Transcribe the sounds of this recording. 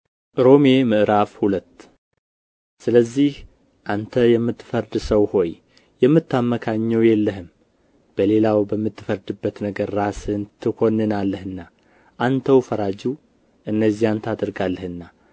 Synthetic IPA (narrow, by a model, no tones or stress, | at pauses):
ʔʔɾo̞memɨʔɾafhulət̪ː | sɨləzːih | ʔant̪ʰəjɛmːɨt̪ːfəɾd̪ɨsəwho̞j | jɛmːɨt̪ʰːamːəkʰaɲːɛwjɛlːəɦɨm | b̥əle̞lawbəmːɨt̪ːɨfəɾd̪ɨbːət̪nəɡəɾːasɨnt̪ʰɨkʰo̞nːɨnalːəhɨnːa | ʔant̪ʰəwfəɾad͡ʒu | ʔɨnːəzːijant̪ʰad̪ɨɾɡalːəhɨnːa